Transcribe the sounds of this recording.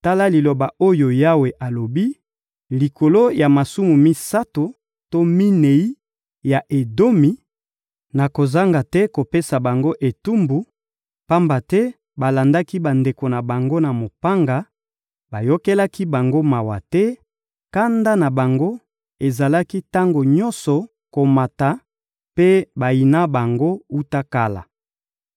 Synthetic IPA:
ta˦la˦li˨lo˨ba˨o˦jo˨ja˦we˨ʔa˨lo˨bi˦ | li˨ko˨lo˦ja˨ma˨su˦mu˨mi˦sa˦to˨ | to˦mi˦ne˨i˦ | ja˨ʔe˨do˦mi˨ | na˨ko˨za˦ŋɡa˨tɛ˦ko˨pe˦sa˨ba˨ŋɡo˦ʔe˨tu˦mbu˨ | pa˦mba˨tɛ˦ | ba˨la˨nda˦ki˦ba˨nde˨ko˨na˨ba˨ŋɡo˦na˨mo˨pa˦ŋɡa˨ | ba˨jo˦kɛ˦la˦ki˦ba˨ŋɡo˦ma˨wa˨tɛ˦ | ka˦nda˦na˨ba˨ŋɡo˦ | e˨za˨la˦ki˦ta˦ŋɡo˨ɲɔ˦nsɔ˨ | ko˨ma˨ta˨ | pe˦ba˨i˨na˦ba˨ŋɡo˦u˦ta˦ka˦la̰˨

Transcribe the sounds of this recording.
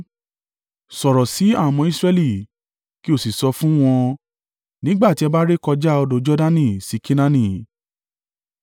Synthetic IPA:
sɔ˨ɾɔ˨si˨˦a˦˨mɔ̃˧i˦sɾɛ˧li˨ | ki˦o˦˨si˨sɔ˧fũ˦w̃ɔ̃˧ | nĩ˦ɡ͡ba˦˨ti˨˦ɛ˧ba˦ɾe˦kɔ˧d͡ʒa˦ɔ˧do˧d͡ʒɔ˦da˦nĩ˦˨si˨˦ki˦nã˦nĩ˦˨

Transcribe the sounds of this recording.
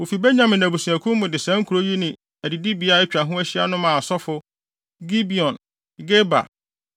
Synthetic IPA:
wo˨fi˨be˦ɲã˦mɪ̃˨næ̃˨bu˨sũ˨æ˨kʰũ˦mʊ̃˨dɪ˨sæ̃˦ŋ̩˦kʰu˨ɾo˦ji˦nɪ̃˨ | æ˨di˨di˦bi˨a˦ɛ˦t͡ɕᶣa˨ɦʊ̃˦æ˦ɕi˦a̰˦nʊ̃˦mã˨sɔ˦fʊ˦ | ɡi˦bi˨ɔ̃˨n | ɡe˦ba̰˨

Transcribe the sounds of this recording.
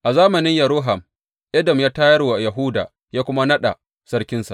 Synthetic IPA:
ʔa˨zaː˦mɐ˨nɪ˦ɲjɐ˨ɾʊː˦ɦɐ˨m | ʔɐ˦dɐ˨mjaː˦taː˦jɐ˦rwa˨jɐ˨ɦʊ˦da̰ː˨ | jaː˦kʷʊ˦ma˦nɐ˦ɗa̰˨ | sɐ˦rkʲɪ˦nsa̰˨ʔ

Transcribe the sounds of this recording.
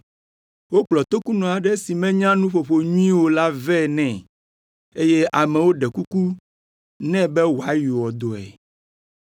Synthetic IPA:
wo˦k͡plɔ˨t̪o˦ku˦nɔ̃˨a˨ɖɛ˦si˨mɛ̃˦ɲã˦nũ˦ɸo˨ɸo˨ɲũ˦ĩ˦wo˦la˦vɛ˦˨nɛ̃˨ | e˦je˦ʔa˨mɛ̃˨wo˦ɖɛ˨ku˦ku˦ | nɛ̃˦bɛ˦wo˨a˨˦ju˨wɔ˨d̪o˨ɛ̰˨

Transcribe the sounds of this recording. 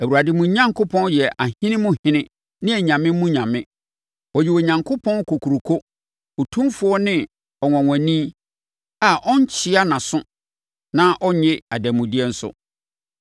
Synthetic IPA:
æ˨wu˨ɾa˨dɪ˦mũ˨ɲã˦ŋkʰo˦pʰɔ̃˦njɛ˨ʔa˨hɪ̃˦nɪ̃˦mʊ̃˦hɪ̃˦nɪ̃˦ | nɪ̃˦æ˨ɲã˨mɪ̃˦mũ˦ɲã˨mɪ̃˦ | ɔ˨jɪ˨wo˨ɲã˨ŋkʰo˦pʰɔ̃˦n˦kʰo˨kʰu˨ɾu˨kʰo˦ | ɔ˨tʰũ˦mfʊ˦ɔ˦nɪ̃˦ | ɔ˨ŋʷɔ̃˨ŋʷæ̃˨nĩ˦ | a˨ʔɔ̃˦ɲ˦t͡ɕʰɪ˦a˦nã˨sʊ̃˦ | nã˦ʔɔ˦ɲɛ˦a˨dæ˨mũ˨di˦ɛ˦n̩˦sʊ̰˦˨

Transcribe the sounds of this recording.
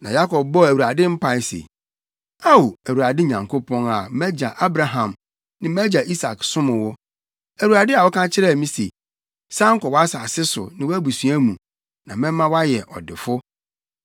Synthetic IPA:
nã̰˨ja˦kʰɔ˨b̚bɔ˦˨æ˨wu˨ɾa˨dɪ˦m̩˦pʰa˨˦sḛ˨ | a˦wo˨æ˨wu˨ɾa˨dɪ˦ɲã˨ŋkʰo˦pʰɔ̃˦na˨mæ˦d͡ʑa˨ʔa˦bɾa˨ɦã˨m | nɪ̃˨m˦æ˦d͡ʑa˨ʔi˦sa̰˨ksʊ̃˦mʊ̃˨wɔ˦ | æ˨wu˨ɾa˨dɪ˦a˨wɔ˦kʰã˦t͡ɕʰɪ˦ɾɛ˦˨mĩ˦se˨ | sã˦ŋ̩˦kɔ˨wɔ˦a˦sa˨sɪ˦sʊ̰˨nɪ̃˦wæ˦bu˨sũ˨˦æ˦mũ˨ | nã˨mɪ̃˦mːã˦wa˦jɛ˨ʔɔ̰˨dɪ˨fʊ˦

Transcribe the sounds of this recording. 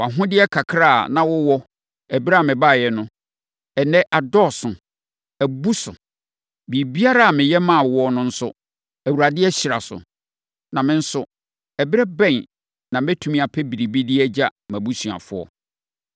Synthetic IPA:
a˨ɦʊ̃˦dɪ˦ɛ˦kʰa˨kʰɾa̰ː˦˨nã˨wʊ˦wɔ˦ | ɛ˨bɪ˦ɾa˦˨mɪ̃˨ba˦˨jɛ˨nʊ̃˦ | ɛ˨nɛ̃˦ʔa˨dɔ˦˨sʊ̃˨ | æ˨bu˦sʊ̰˨ | bi˨bi˦a˦ɾa˦a˨mɪ̃˨jɛ˦mã˦˨wɔ˦nʊ̃˦n̩˦sʊ˦ | æ˨wu˨ɾa˨dɪ˦ɛ˦ɕi˨ɾa˨sʊ̰˨ | nã˨mɪ̃˦n̩˦sʊ˨ | ɛ˨bɪ˦ɾɛ˦bɛ̃˦˨n | nã˨mɛ̃˦tʰu˦mĩ˦a˨pʰɛ˦bi˨ɾi˨bi˦dɪ˦ɛ˦d͡ʑa˦mæ̃˨bu˦sɥ̃a̰˨fʊ˦ɔ̰˨

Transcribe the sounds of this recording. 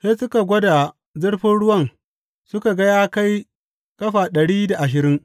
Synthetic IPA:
seː˦sʊ˦ka˨ɡʷɐ˦da˨ | zʊ˦ɽɸɪ˦nɽʊ˦wɐ˦ŋ | sʊ˦ka˨ɡɐ˦jaː˦ka˦j | kɐ˦ɸa˨ɗɐ˨ɽiː˦da˨ʔa˨ʃɪ˨ɾɪ˦ŋ

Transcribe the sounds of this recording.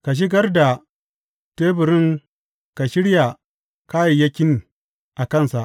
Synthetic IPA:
ka˨ʃ̬ɪ˦ɡɐ˦rda˨ | teː˦bɪ˨ɾɪ˦ŋ | ka˨ʃɪ˦ɽja˨ | ka˦ji˨ja˦kʲɪ˦n | ʔa˨kɐ˦nsa˨ʔ

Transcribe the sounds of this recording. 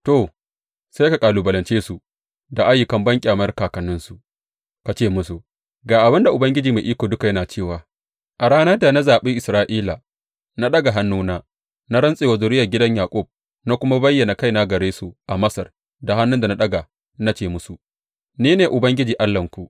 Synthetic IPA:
to˨ | sa˦ka˨kʼaː˨lu˨bɐ˨lɐ˨nt͡ʃeː˦su˨ | da˨ʔa˦jːʊ˨kɐ˦mbɐ˦ŋkʲʼːmɐ˦rkaː˨kɐ˨nʊ˦nsu˨ | ka˨t͡ʃeː˦˨mʊ˦su˨ | ɡaː˨ʔa˨bɪ˦nda˨ʔʊ˨bɐ˦ŋɡʲɪ˦d͡ʒiː˨meː˨ʔiː˦kʷoː˨dʊ˦ka˨jɐ˦naː˨t͡ʃeː˦˨waː˨ | ʔa˨ɾaː˦nɐ˦da˨na˦zaː˨ɓi˦ʔɪ˨sɾaː˦ʔiː˦la˨ | na˦ɗɐ˦ɡa˨ɦa˦nːuː˦naː˦ | na˦ɾɐ˦nsʼeː˨wa˨zʊ˨ɾɪ˦jɐ˨ɡʲɪ˦dɐ˦ɲjaː˨kʷʼʊ˦˨b̚ | na˦kʷʊ˦ma˦bɐ˦jːɐ˨na˨ka˦jna˦ɡɐ˨ɾeː˦su˨ʔa˨mɐ˦sɐ˨r | da˨ɦa˦nːʊ˦nda˨na˦ɗɐ˦ɡa˨ | na˦t͡ʃeː˦˨mʊ˦su˨ | niː˦neː˨ʔʊ˨bɐ˦ŋɡʲɪ˦d͡ʒiː˨ʔa˦lːɐ˨ŋkʷu˨

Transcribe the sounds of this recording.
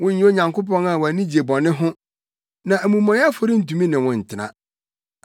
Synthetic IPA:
wʊ̃˦ɲ̩˦o˦ɲã˨ŋko˦pɔ̃˦na˨wæ˨nĩ˦d͡ʑi˨e˨bɔ̃˨nɪ̃˦ɦʊ̃˦ | nã˨æ˨mũ˨mɔ̃˨˦a˦fo˦ɾi˦n̩˨tu˨mĩ˦nɪ̃˨wʊ̃˨n̩˨tʰɪ˨nã̰˨

